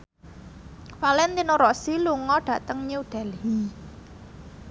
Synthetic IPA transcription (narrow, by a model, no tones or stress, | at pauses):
falɛnt̪inoɾɔʔsiluŋɔɖ̥ä̤t̪əŋɲeuɖ̥a̤lhi